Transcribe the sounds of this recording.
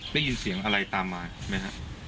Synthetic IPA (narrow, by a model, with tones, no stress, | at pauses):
da˥˩ji˧nsi˩˦əŋʔa˧ɾa˧jt̪aː˧mːaː˧ma˦˥jɦa˦˥ʔ